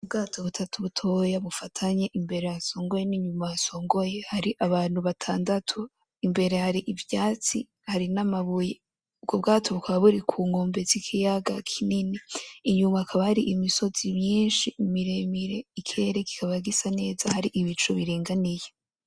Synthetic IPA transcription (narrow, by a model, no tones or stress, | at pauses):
ubɡaːtʰo̞βutʰatʰuβutʰo̞jaβufatʰaɲeʔimbe̞ɾejaso̞ːŋɡoje̞niɲumajaso̞ːŋɡo̞je̞haɾiʔaβaːn̥huβatʰaːndatʰo | imbe̞ɾe̞haɾiʔivjaːt͡si | haɾinamaβuje | ub̚ɡob̚ɡaːtʰo̞βukʰaβaβuɾikʰuːŋɡo̞ːmbe̞zikʰijaɡa̰kʰininiːɲumaːkʰaβahaɾiʔimiso̞z̥imɲiːnʃiimiɾemiɾe̞ikʰeɾeki̥kʰaβaɡisane̞ːzahaɾiʔiβit͡ʃuβiɾiːŋɡanije